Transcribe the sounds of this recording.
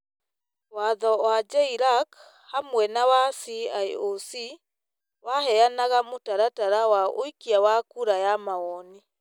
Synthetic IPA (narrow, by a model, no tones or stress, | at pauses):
waðɔwad͡ʒɛiɾak | hamwɛnawasiajosi | wahɛanaɣamotaɾataɾawaoikiawakuɾajamaɔni